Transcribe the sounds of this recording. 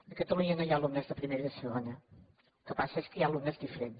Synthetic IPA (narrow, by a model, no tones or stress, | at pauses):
d̪əkət̪əluɲənojalumnəzðəpɾimeɾəðəsəɣonə | ukəpasəeskəjalˠumnəzðifəɾen